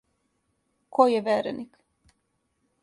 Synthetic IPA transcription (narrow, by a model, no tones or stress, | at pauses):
kojjeʋeɾenik